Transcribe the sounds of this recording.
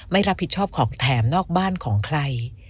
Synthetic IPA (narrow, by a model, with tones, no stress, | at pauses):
ma˥˩jɾa˦˥pʰːi˨˩t̪̚t͡ɕʰɔː˥˩p̚kʰɔː˩˦ŋt̪ʰɛː˩˦mnɔː˥˩k̚baː˥˩nkʰɔː˩˦ŋkʰɾa˧j